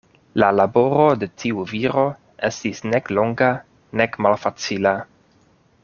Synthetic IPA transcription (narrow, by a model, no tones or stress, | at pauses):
lalabo̞ɾo̞de̞tʰiuviɾo̞ | e̞stisne̞klo̞ŋɡa | ne̞kmalfat͡sila